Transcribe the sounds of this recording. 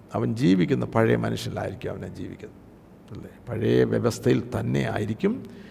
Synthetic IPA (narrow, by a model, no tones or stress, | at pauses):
ɐʋɐnd͡ʑiːʋikʲːunːɐpɐɻɐjɐmʔɐnuʂjɐnila̰ːjiɾikʲːumɐ̰ʋɐnaːd͡ʑḭːʋikʲːunːɐ | ɐlːepɐɻɐjɐʋjeʋɐst̪ʰɐjilt̪ɐnːe̞̰a̰ːjiɾikʲːum